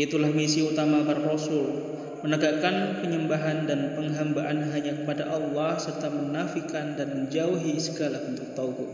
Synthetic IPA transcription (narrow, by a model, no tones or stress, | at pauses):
it̪ulahmisiut̪amapaɾaɾosʊl | mənəɡakanpəɲəmbaɦandanpəŋɦambaʔanɦaɲakəpadaʔɑlːɑhsərt̪amənafikandanməɲd͡ʒauɦisəɡalaənt̪ʊk̚t̪aukʊʔ